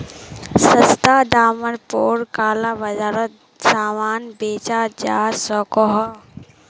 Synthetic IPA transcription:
sɐst̪aːɖaːməɾpoːɾkaːlaʋɐzaːɾət̪̚ | saːʋaːnbeːt͡ʃaːd͡ʒaːsɔːkɔɦɐ

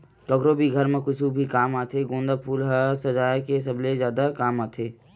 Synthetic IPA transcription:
kɔːkɾobʱiɡʱɐɾmẽkʊt͡ʃʰubʱikaːmaːt̪ʰeɡõːnd̪apʰuːlɦəsɐd͡ʒaːjkesɐblezjaːd̪akaːmaːt̪ʰeː

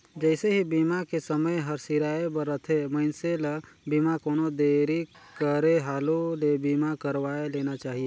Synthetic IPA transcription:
d͡ʒɛːseɦibiːmakesəməjɦɐɾsiɾaːebəɾːət̪ʰeməɪnselɐbiːmakoːnod̪eːɾikəɾeɦaːlolebiːmakəɾʋaːeleːnat͡ʃaːɦieː

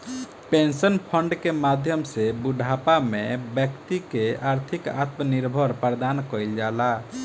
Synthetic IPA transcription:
pẽnsənpʰəɳɖkemad̪ʱjəmsebuɖʱapamẽbjəkt̪ikeʔaɾt̪ʰika̰t̪məniɾbʱəɾpəɾd̪ankəjld͡ʒala

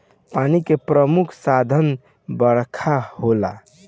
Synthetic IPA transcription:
panikepɾəmukʰsad̪ʱən | bəɾkʰahola

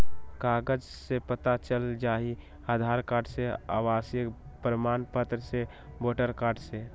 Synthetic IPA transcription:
kaːɡəd͡ʒ | sepət̪at͡ʃəld͡ʒaːi | aːd̪ʱaːɾkaːɖsea̰ːʋaːsjə | pɾəmaːnpət̪ɾəse | boːʈəɾkaːɖse

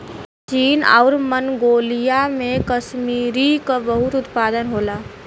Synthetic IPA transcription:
t͡ʃiːna̰ʊɾmənɡoːlijamẽkəsmiːɾikabəɦʊt̪ʊt̪paːd̪ənɦoːlaː

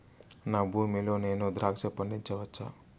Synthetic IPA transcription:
naːbʱuːmiloːneːnud̪ɾaːkʂɐpɐɳɖiɲt͡ʃɐʋɐt͡ʃʰːa̰

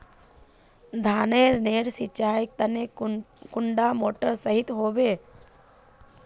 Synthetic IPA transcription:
d̪ʱaːneːɾneːɾsɪt͡ʃaːik̚t̪ənekʊɳɖamoːʈəɾsəɦɪt̪ɦoːbeː

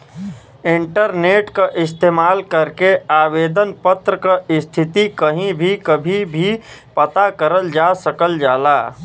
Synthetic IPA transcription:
ɪ̃ɳʈəɾneːʈkaʔɪst̪eːmaːlkəɾkeaːʋeːd̪ənpət̪ɾəkaɪst̪ʰɪt̪ikəɦĩbʱikəbʱibʱipɐt̪akəɾəld͡ʒaːsəkəld͡ʒaːlaː

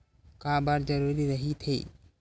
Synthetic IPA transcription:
kabaɾd͡ʒəɾuɾiɾəɦit̪ʰḛ

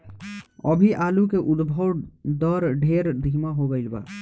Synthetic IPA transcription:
ɔ̰bʱiʔaːlukeʔʊd̪bʱəwd̪ɔːɾɖʱeːɾd̪ʱiːmaɦobəɪlba̰ː

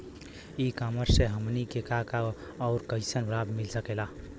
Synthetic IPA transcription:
ikaməɾseɦəmnikekaka | ɔːʊɾkəɪsənbɾabmilsəkela

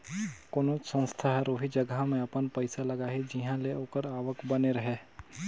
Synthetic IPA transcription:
koːnoːt͡ʃsə̃ñst̪ʰaɦɛɾoːɦid͡ʒɐɡamẽɐpənpəɪsalɐɡaɦɛd͡ʒiɦãleoːkəɾaːʋəkbɐneɾɐɦe

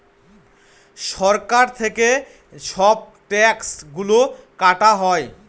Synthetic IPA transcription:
ʃɔɾkaɾt̪ʰeke | ʃɔb̚ | ʈɛksɡulokaʈaɦɔe

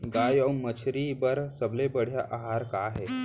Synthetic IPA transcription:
ɡajɔmət͡ɕʰɾiːbəɾsəblebəɽ̤jaʔaɦaɾkaɦɛ

